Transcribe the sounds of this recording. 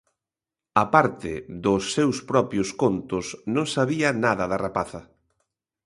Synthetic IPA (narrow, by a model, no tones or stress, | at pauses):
apaɾt̪ɪ̰ðʊsːewspɾɔpɾjʊskont̪ʊsnõŋsaβiɐnaðɐðarapaθɐ